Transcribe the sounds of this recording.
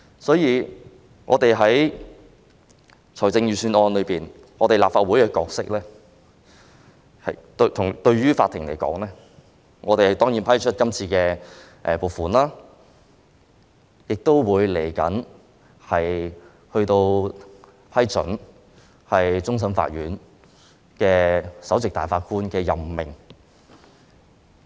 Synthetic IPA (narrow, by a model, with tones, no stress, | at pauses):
sɔː˨˥jiː˧ | ŋɔ̰ː˨˧t̪e˨jɦɐ˨˥j | t͡sʰɔ˨˩jt͡sɪ˧ŋjyː˨˧syː˧nɔː˧nlɵ˨˧piː˨˩n | ŋɔː˨˧t̪e˨˩laː˨pfaː˧t̚wu˨˥jkɛː˧kɔ̰ː˧k̚sɪ˥k̚lɛː˥ | hɐ˨t̪t̪ʰʊ˨˩ŋt̪ɵ˧ɥɥyː˥faː˧t̪ʰːɪ˨˩ŋlḛ˨˩jkɔ̰ː˨˥ŋlɛː˥ | ŋʔɔː˨˧t̪e˨jhɐ˨jt̪ɔː˥ŋjiː˨˥npʰɐ˥jt͡ʃʰɵ˥t̚kɐ˥mt͡sʰiː˧kɛː˧ | ʔɛː˨˩po˨wfuː˨nlaː˥ | jɪ˨k̚t̪o˥wwuː˨˧jle˨˩jkɐ̰˨˥n | hɐ˨j | hɵ˧ɥt̪o˧w | pʰɐ˥jt͡sɵ̰˨˥n | hɐ˨jt͡sʊ˥ŋs̬ɐ˥mfa̰˧t̚ɥyː˨˥n | kɛː˧sɐ˨˥wt͡sɪ˨k̚t̪aː˨jfaː˧t̚kuː˥nkɛː˧jɐ˨mmɪ˨˩ŋ